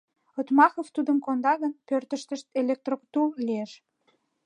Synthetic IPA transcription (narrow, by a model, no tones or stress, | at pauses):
ot̪mɑxoft̪ud̪əmkond̪ɑɣənpørt̪əʃt̪əʃt̪elek̚t̪rokt̪ullieʃ